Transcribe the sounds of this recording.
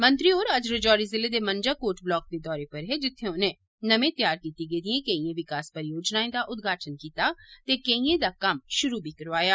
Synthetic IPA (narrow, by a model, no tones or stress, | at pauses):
mə̃nt̪ɾioːɾɐd͡ʒɾəd͡ʒɔːɾizɪled̪emənd͡ʒaːkoːɾʈblɔːk̚d̪eːd̪ɔːɾepɐɾɦed͡ʒɪt̪ʰːẽʊnẽ | nɐmẽt̪jaːɾkiːt̪iɡəeːd̪iẽkeiẽʋɪkaːspəɾjoːd͡ʒnaːẽd̪aʔʊd̪̚ɡʱaːʈʰənkiːt̪at̪ekeĩẽd̪akɐmʃʊɾubʱikɐɾʋaːjaː